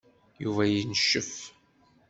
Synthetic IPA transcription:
juvæjənʃːəf

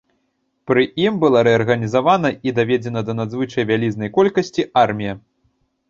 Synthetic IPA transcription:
pɾɨimbɨlˠaɾɛɐrɣɐnʲizavanɐid̪avʲɛd͡zʲɛnɐd̪ɐnad̪zvɨt͡ʂɐjvʲalʲiznɐjkɔlʲkɐsʲt͡sʲiarmʲijɐ

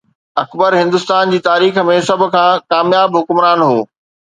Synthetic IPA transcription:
ɐkbəɾɦɪ̃nd̪ʊst̪aːnd͡ʑiːt̪aːɾiːxə̆mẽsɐbʱʊ̆kʰãːkaːmjaːbɦʊkʊmɾaːnɦoː

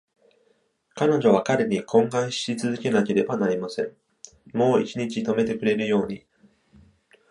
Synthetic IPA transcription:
kano̞ʑo̞β̞akaɾe̞ɲ̟ikʰõ̞ŋɡãɰ̃ɕi̥it͡sɨzɨke̞nake̞ɾe̞banaɾʲimasẽ̞ɴ | mo̞ːḭt͡ɕiɲ̟it͡ɕit̪o̞me̞t̪e̞kɯ̟ɾe̞ɾɯ̟jo̞ːɲ̟i

